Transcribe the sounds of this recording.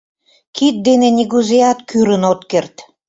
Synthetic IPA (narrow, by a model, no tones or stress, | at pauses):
kit̪̚d̪enenʲiɣuzeɑt̪kyɾənot̪kert̪